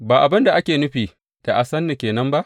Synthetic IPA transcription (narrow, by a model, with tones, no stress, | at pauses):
baː˨ʔa˨bɐ˦nda˨ʔa˦kʲeː˨nʊ˦ɸiː˨ | d̥a˨ʔa˨sɐ˦nːi˨kʲeː˨nɐ˦mba˦ʔ